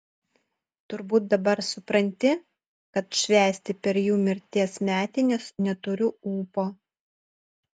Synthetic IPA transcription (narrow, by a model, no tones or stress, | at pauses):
t̪ʊɾbuːt̪̚d̪ɐbɐɾsʊpɾɐnʲt̪ʲɪ | kɐt̪ʃʲʋʲæːsʲt̪ʲɪpʲɛɾjuːmʲɪɾʲt̪ʲiɛsmʲæːt̪ʲɪnʲɛsnʲɛt̪ʊɾʲʊuːpoː